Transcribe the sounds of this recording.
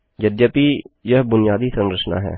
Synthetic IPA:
d͡ʒɐd̪jəpijɐɦbʊnɪjaːd̪isɐ̃nɾət͡ʃna̰ɦɛ̰ː

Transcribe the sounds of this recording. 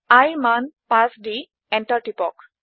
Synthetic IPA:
ajmanpasɖi | ɛnʈaɹʈipɔk

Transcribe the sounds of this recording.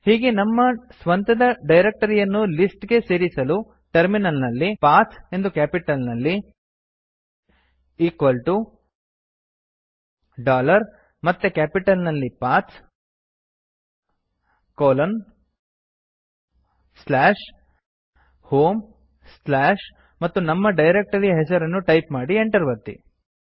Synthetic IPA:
hiːɡe̞nɐmːɐsʋɐnt̪ɐd̪ɐɖɐjɾek̚ʈɐɾijɐnːulisʈɡe̞se̞ːɾisɐlu | ʈɐɾminɐlnɐlːipaːt̪se̞nd̪ukæːpiʈɐlnɐlːi | iːkʋɐlʈu | ɖaːlɐɾ | mɐt̪ːukæːpiʈɐlnɐlːipaːt̪s | koːlɐn | slaːʂ | hoːm | slaːʂ | mɐt̪ːunɐmːɐɖɐjɾek̚ʈɐɾijɐɦes̬ɐɾɐnːuʈɐjpmaːɽieɳʈɐɾʋɐt̪ːḭ

